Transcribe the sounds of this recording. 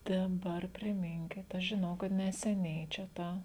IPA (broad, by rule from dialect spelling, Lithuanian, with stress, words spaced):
ˈtʲɛn ˈdɐr pʲrʲɪˈmʲɪŋʲkʲɪt ˈɐʃ ʒʲɪˈnɐʊ kɐt nʲɛsʲɛˈnʲɛɪ t͡ʃʲɛ ˈtɑː